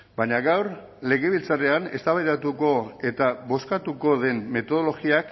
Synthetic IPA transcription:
baɲaɣawɾ | le̞ɣe̞β̞ilt͡sare̞ane̞st̪aβajðat̪uko̞e̞t̪aβo̞skat̪uko̞ðe̞mme̞t̪o̞ð̞o̞lo̞ɣiak

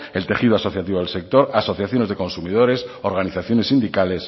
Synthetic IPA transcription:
elt̪e̞xið̞oaso̞θjat̪iβo̞ðelse̞k̚t̪o̞ɾaso̞θjaθjone̞zðe̞ko̞nsumið̞o̞ɾe̞soɾɣaniθaθjo̞ne̞sind̪ikale̞s

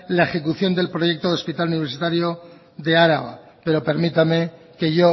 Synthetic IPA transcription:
laexe̞kuθjo̞nd̪e̞lpɾo̞ʝe̞k̚t̪oðo̞spit̪aluniβ̞ɾsit̪aɾjo̞ | ðe̞aɾaɣa̰ | pe̞ɾo̞pe̞ɾmit̪ame̞ | ke̞ʝo

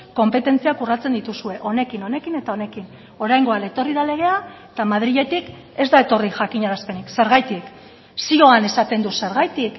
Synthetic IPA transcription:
ko̞mpe̞t̪e̞nt͡siakurat͡se̞nd̪it̪usue̞ʔo̞ne̞kino̞ne̞kine̞t̪ao̞ne̞kin | o̞ɾajŋɡo̞alet̪o̞riðale̞ɣ̞e̞a | t̪amað̞ɾiʎe̞t̪ik | e̞zd̪ae̞t̪o̞riʝakiɲaɾaspe̞nikse̞ɾɣajt̪ik | sio̞ane̞sat̪e̞nd̪use̞ɾɣajt̪ik

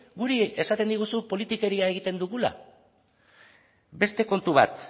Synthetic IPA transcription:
ɡuɾie̞sat̪e̞nd̪iɣusupo̞lit̪ike̞ɾiae̞ɣ̞it̪e̞nd̪uɣ̞ula̰ | be̞st̪e̞ko̞nt̪uβa̰t̪

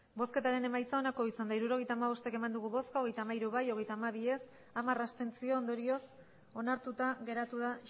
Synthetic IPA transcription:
bo̞ske̞t̪aɾe̞ne̞majt͡sao̞nako̞isand̪aiɾuɾo̞ɣ̞ejt̪aːmaβo̞st̪eke̞mand̪uɣuβo̞skaoɣ̞e̞jt̪aːmaiɾuβajo̞ɣ̞e̞jt̪aːmaβ̞ie̞s | amarast̪e̞nt͡sio̞ːnd̪o̞ɾio̞s | o̞naɾt̪ut̪aɣe̞ɾat̪uða

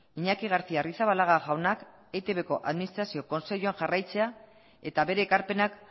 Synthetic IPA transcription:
iɲakiɣ̞aɾt͡siarisaβalaɣaɣawnak | et̪e̞βe̞ko̞ʔaðminist̪ɾasio̞ko̞nse̞ʎuaŋʝarajt͡se̞a | e̞t̪aβe̞ɾe̞ːkaɾpe̞nak

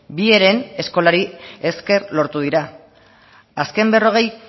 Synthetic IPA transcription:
bie̞ɾe̞ne̞sko̞laɾie̞ske̞rlo̞ɾt̪uðiɾa | aske̞mbe̞ro̞ɣ̞e̞j

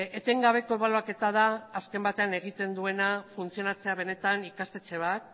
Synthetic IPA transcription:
et̪eŋɡaβ̞e̞ko̞eβaloake̞t̪að̞aːske̞mbat̪e̞ane̞ɣit̪e̞nd̪ue̞nafunt͡sio̞nat͡se̞aβ̞e̞ne̞t̪anikast̪e̞t͡se̞β̞at̪̚

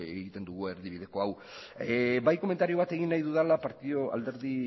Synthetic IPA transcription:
eɣit̪e̞nd̪uɣue̞ɾðiβ̞iðe̞ko̞aw | bajko̞me̞nt̪aɾio̞β̞at̪e̞ɣinːajðuðalapaɾt̪io̞a̰ld̪e̞ɾði

